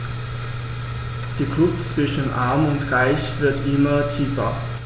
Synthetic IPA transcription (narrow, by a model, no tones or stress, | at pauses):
d̥iːkʰlʊpt͡sv̥ɪʃən̩ʔaɐmʊntʁaɪçv̥ɪɐtʔɪmɐtʰiːfɐ